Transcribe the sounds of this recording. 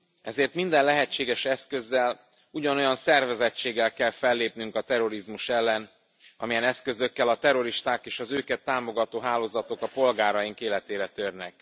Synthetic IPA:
ʔɛzeːrt̪mind̪ɛnlɛɦɛt͡ʃːeːɡɛʃɛskø̞zːɛl | uɟɒno̞jɒnsɛrvɛzɛt͡ʃːeːɡːɛlkɛlfɛlːeːpnyŋkɒt̪ɛɾo̞ɾizmuʃɛlːɛn | ɒ̰mijɛnɛskø̞zøkːɛlɒt̪ɛɾo̞ɾiʃt̪aːkeːʃɒzøːkɛt̪ːaːmo̞ɡɒt̪oːɦaːloːzɒt̪o̞kɒpo̞lɡaːɾɒjiŋkeːlɛt̪eːɾɛt̪ørnɛk̚

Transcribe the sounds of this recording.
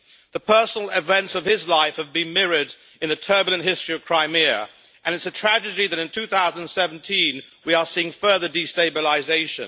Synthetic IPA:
ðəpʰɜ˞sənl̩ˠɪvɛ̃ntsʌv̥ɪzlaɪfhəvbɨ̃nmɪɹɪɾ | ɨ̃nðɨtʰɜ˞bl̩ˠɨ̃nʔɦɪstɹ̥iʌv̥kʰɹ̥aɪ̃mɪ | ʔɨ̃nɨtsɨtʰɹ̥æd͡ʒɨd͡ʒiðɨɾɨ̃ntʰʉθaʊzə̃ndə̃nsɛvn̩tʰĩnwiə˞siɪ̃ŋfɜ˞ðə˞disteɪbəlˠɪzeɪʃɨ̰̃n

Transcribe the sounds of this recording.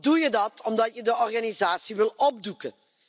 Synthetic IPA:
dujədɑtɔmdɑtjədəɔrɣanizaːsiʋɪlˠɔb̚dukə

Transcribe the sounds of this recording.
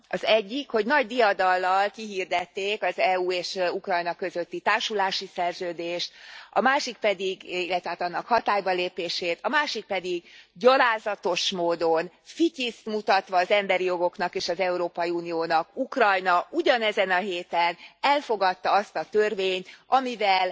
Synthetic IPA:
ɒzɛɟːikho̞ɟnɒɟd̪ijɒd̪ɒlːɒlkiɦird̪ɛt̪ːeːkɒzɛuːeːʃukrɒjnɒkø̞zø̞t̪ːit̪aːrʃulaːʃisɛrzøːd̪eːʃt̪ɒmaːʃik̚pɛd̪iɡilːɛt̪ʋɛɦaːt̪ɒnːɒkhɒt̪aːjbɒleːpeːʃeːt̪ɒmaːʃik̚pɛd̪iɡɟɒlaːzɒt̪o̞ʃmoːd̪o̞n | ficist̪mut̪ɒt̪ʋɒːzɛmbɛɾijo̞ɡo̞knɒkeːʃɒzɛuɾoːpɒjiuːnijoːnɒkukrɒjnɒʔuɟɒnɛzɛnɒɦeːt̪ɛnɛlfo̞ɡɒt̪ːɒɒst̪ɒt̪ørveːɲt̪ɒmivɛl

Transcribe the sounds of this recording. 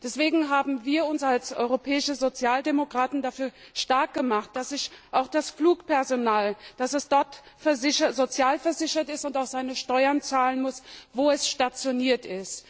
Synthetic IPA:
d̥ɛsv̥eːɡŋ̩ɦaːbm̩viːɐʊnsalsʔɔ̰ʏʁopʰɛːɪʃəzot͡sjaːldemokʁ̥aːtn̩dafyːɐʃtaɐk̚ɡ̥əmaχt̚d̥asɪçʔaʊxd̥asfluːkpʰɛɐzonaːld̥asɛsd̥ɔɐt | fɛɐzɪçɐzot͡sjaːlfɛɐzɪçɐtɪstʊntaʊxz̥aɪnəʃtɔʏɐnt͡saːlənmʊsvoːɛsʃtat͡sjoniːɐtɪst

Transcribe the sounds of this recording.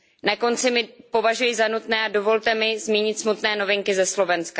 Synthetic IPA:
nako̞nt͡sɪmɪpo̞vaʒujɪzanut̪nɛːʔado̞vo̞lt̪ɛmɪzmjiːɲɪt̪smut̪nɛːno̞vɪŋkɪzɛslo̞vɛnska

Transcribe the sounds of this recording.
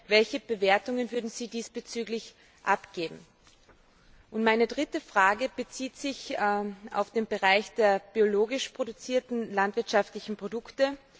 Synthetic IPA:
vɛlçəb̥əveːɐtʊŋənvʏɐdn̩z̥iːdiːsb̥ət͡syːɡlɪç | ʔapɡ̥eːbm̩ | ʔʊntmaɪnədʁɪtəfʁ̥aːɡəb̥ət͡siːtz̥ɪçʔa̰ʊfd̥eːnbəʁaɪçd̥eːɐb̥ioloːɡɪʃpʁ̥odʊt͡siːɐtn̩lantv̥ɪɐtʃaftlɪçn̩pʁ̥odʊktə

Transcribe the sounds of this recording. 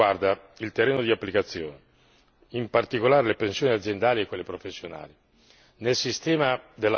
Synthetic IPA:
ward̪a | ilt̪erːeːnod̪iapːlikat̪sːjo̰ːne | impart̪ikolaːɾelepensjoːniad̪zjend̪aːliekːolːepɾofesːjona̰ːli | nelsist̪ɛːmad̪elːa

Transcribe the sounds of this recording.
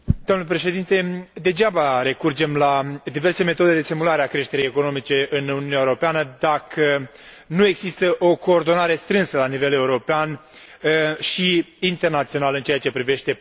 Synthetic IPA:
d̪̥omnləpɾe̞ʃe̞d̪int̪e̞d̪e̞d͡ʒabaɾe̞kurd͡ʒe̞mlad̪ive̞rse̞me̞t̪o̞d̪ed̪e̞simulaɾeakɾe̞ʃt̪e̞ɾejeko̞no̞mit͡ʃe̞ʔɨnununʲjaewuɾo̞peanəd̪akʰə | nue̞ɡzist̪əʔo̞ko̞ːrd̪o̞naɾe̞st̪ɾɨnsəlanive̞le̞uɾo̞pean | ʃiːnt̪e̞rnat̪sio̞nalɨnt͡ʃeat͡ʃe̞pɾive̞ʃt̪e̞

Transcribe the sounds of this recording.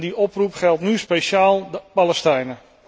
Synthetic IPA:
diʔɔprupχɛlˠtnyspejʃaːlˠbaləstɛjnə

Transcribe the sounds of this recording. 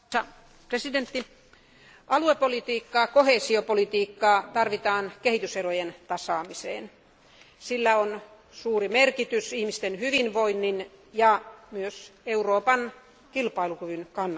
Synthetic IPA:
ɑ | president̪ːi | ʔɑluepolit̪iːkːɑːkoheːsiopolit̪iːkːɑːt̪ɑrʋit̪ɑːnkehit̪yserojent̪ɑsɑːmisḛːn | silːæon | suːrimerkit̪ysihmist̪enhyʋinʋoinːinjɑmyøseuroːpɑn | kilpɑilukyʋynkɑnː

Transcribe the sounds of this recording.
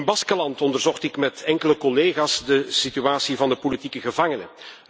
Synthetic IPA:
nbɑskəlɑntɔndərzɔxtɪkmɛtɛŋkələkɔleːɣaːzdəsityaːsivɑndəpolitikəɣəvɑŋənə̰

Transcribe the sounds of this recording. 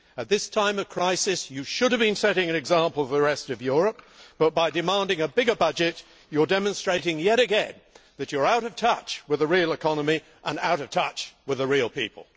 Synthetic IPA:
ɨt̪̚ðɪstʰãɪ̃mʌv̥kʰɹ̥aɪsɨsjɨʃʊɾɨvbɨ̃nsɛɾɪ̃ŋɨ̃nɨɡzæ̃mpl̩ˠvðɨɹɛstʌvjʊɹɨp̚b̥ʌt̚b̥aɪdɨmæ̃ndɪ̃ŋɨbɪɡə˞bʌd͡ʒɨt͡ʃ | ə˞dɛmə̃nstɹ̥eɪɾɪ̃ŋjɛɾɨɡɛ̃nðɨt͡ʃə˞aʊɾʌv̥tʰʌt͡ʃwɨðɨɹilˠɨkʰɑnəmi | ʔə̃naʊɾʌv̥tʰʌt͡ʃwɨðɨɹil̩ˠpḭpə̰l̩ˠ

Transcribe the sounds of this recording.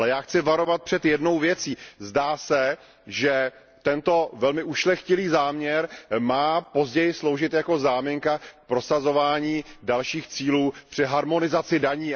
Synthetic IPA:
lɛjaːxt͡sɪvaɾo̞vat̪̚pr̝̥ɛt̪jɛdno̞wvjɛt͡siːzdaːsɛ | ʒɛ | t̪ɛnt̪o̞vɛlmɪʔuʃlɛxcɪliːzaːmɲɛɾmaːpo̞zɟɛjɪslo̞wʒɪt̪jako̞zaːmɪŋkak̚pɾo̞sazo̞vaːɲiːdalʃiːxt͡siːluːpr̝̥ɪɦaɾmo̞nɪzat͡sɪdaɲiː

